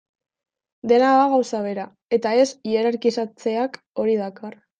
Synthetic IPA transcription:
d̪e̞naðaɣ̞awsaβ̞e̞ɾa | e̞t̪ae̞sieɾaɾkisat͡se̞ak | o̞ɾiðakar

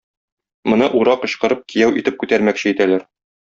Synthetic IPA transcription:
mŏnɤʔuɾɑqɤ̆ɕqɤ̆ɾɤp̚kʰijæwʔit̪ɘp̚kʉt̪æɾmækɕɘit̪ælæɾ

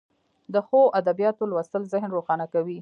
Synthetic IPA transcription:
d̪əxoʔad̪abijɑt̪olwast̪əlzɪɦnɾoxɑnakawi

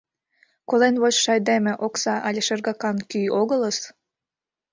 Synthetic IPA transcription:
kolenβot͡ɕʃɑjd̪emʲĕʔoksɑʔɑlʲeʃerɣɑkɑnkyjoɣələs

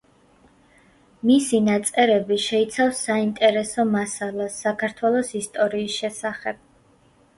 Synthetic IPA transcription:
misinat̪sʼɛɾɛbiʃɛit̪sʰafsːaint̪ʼɛɾɛsɔmasalˠasːakʰaɾt̪ʰwɛlˠɔsist̪ʼɔɾiːsʃɛsaχɛb̥̚

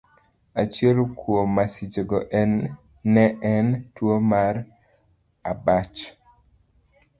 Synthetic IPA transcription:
at͡ʃjɛlkwomasid͡ʒeɡɔʔɛnː | ɛʔɛntwomaɾ | abat͡ʃ

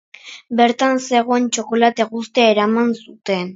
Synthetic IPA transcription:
be̞ɾt̪anse̞ɣo̞ent͡ʃo̞ko̞lat̪e̞ɣust̪eaeɾamansut̪e̞n

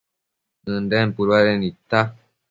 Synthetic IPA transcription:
ɨndɛm̩puɾalɛnita

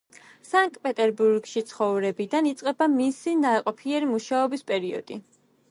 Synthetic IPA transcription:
saŋk̚t̪̚ʼpʼɛt̪ʼɛɾbuɾɡʃit̪sʰχɔvɾɛbid̪anit̪sʼqʼɛbamisinaɾɛqʼɔpʰiɛɾimuʃaɔbispʼɛɾiɔ̰d̪̥i

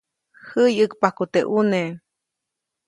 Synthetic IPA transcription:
həjɨkpakut̪eʔune

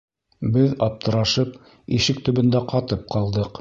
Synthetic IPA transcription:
bɘðɑp̚t̪ɤ̆ɾɑʃɤp | iʃɘk̚t̪ɵ̆βɵ̆nd̪æqɑt̪ɤp̚qɑlˠd̪ɤq

